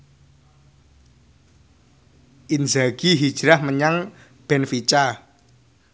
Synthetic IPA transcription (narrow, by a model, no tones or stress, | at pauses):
ʔinzaɡ̥iɦid̥ʒ̥ɾahməɲaŋ | b̥ɛnfit͡ʃa